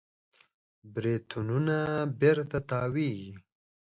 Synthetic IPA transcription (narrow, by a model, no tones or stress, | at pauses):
bɾet̪ʰununabeɾt̪at̪ɑwiɡi